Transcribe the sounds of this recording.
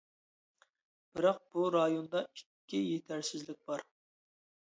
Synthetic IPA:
b̥ɪɾɑq̚b̥uɾɑjond̪ɑikʲʰːɪjet̪ʰæɾsɪzlɪk̚ʲb̥ɑɾ

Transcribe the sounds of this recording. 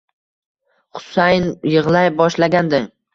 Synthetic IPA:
χʊ̥sajnjɨʁlˠajbɒʃlaɡʲand̪ɪŋ

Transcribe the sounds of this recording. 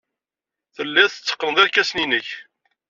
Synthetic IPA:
θəlːæθə̥t͡sːə̥qːənəðˤæɾkːæsninəç

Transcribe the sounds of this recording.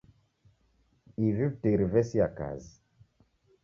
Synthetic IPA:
ivivtiɾivɛsiaka̰zi

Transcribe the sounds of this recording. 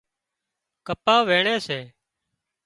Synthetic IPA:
kəpaːʋeːɳeːseː

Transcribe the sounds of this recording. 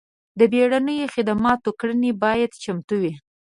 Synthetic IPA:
d̪əbeɽanəjoxɪd̪amɑt̪okɽənebɑjad̪t͡ʃamt̪uwi

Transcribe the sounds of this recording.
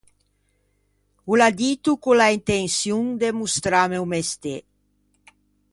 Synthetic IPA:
ulad̪it̪ukulaint̪ensjuŋd̪emust̪ɾamewmest̪e

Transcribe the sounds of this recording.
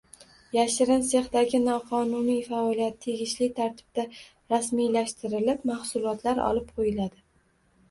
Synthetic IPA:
jaʃɪɾɪnse̞χd̪aɡʲɪnɒqʰɒnʊnijfaɒlijat̪ʰːe̞ɡʲɪʃlɪt̪ʰaɾt̪ʰɪ̥b̥̚d̪a | ɾasmijlaʃt̪ɪɾɪlɪpmahsʊlˠɒt̪ʰlaɾɒ̰lˠɪp̚qʰojɪlad̪ɪ

